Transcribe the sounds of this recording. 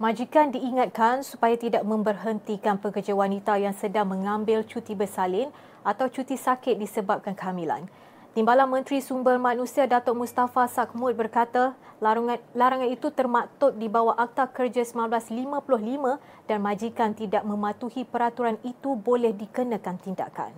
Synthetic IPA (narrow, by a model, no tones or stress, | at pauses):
mãd͡ʒikandiːŋat̪̚kansupajat̪idaʔ̚mə̃mbərɦənt̪ikanpəkərd͡ʒawanit̪ajaŋsədaŋmə̃ŋãmbɪlt͡ʃut̪ibəsalɪn | at̪awt͡ʃut̪isakɪt̪̚disəbap̚kankəɦamila̰n | t̪imbalanmə̃nt̪ɾisumbərmãnũsiadat̪ɔʔ̚must̪afasak̚mʊt̪̚bərkat̪a | laɾaŋanit̪ut̪ərmat̪ʊk̪̚dibawahʔak̚t̪akərd͡ʒasəmanblaslimãpulʊhlimə̃ | d̥anmãd͡ʒikant̪idaʔ̚mə̃mãt̪uhipəɾat̪uɾanit̪ubolɛhdikənə̃kant̪inda̰ka̰n